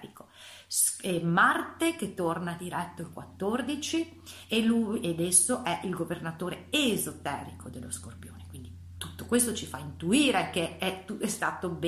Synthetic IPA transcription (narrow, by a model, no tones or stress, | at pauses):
ɾiko | ɛmart̪ek̟et̪ːornad̪iɾɛt̪ːoilkwat̪ːord̪it͡ʃi | elujed̪esːoʔɛʔilɡovernat̪oːɾeezot̪ɛːɾikʰod̪elːoskorpjo̰ːnekwind̪i | t̪ut̪ːokwest̪ot͡ʃifaint̪uiːɾekeɛt̪uɛst̪aːt̪ob